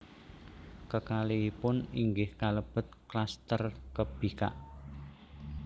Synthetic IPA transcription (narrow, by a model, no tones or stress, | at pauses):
kəkaliːpʊniŋɡɪhkaləb̥ə̤t̪̚klast̪ərkəb̥ika̰ʔ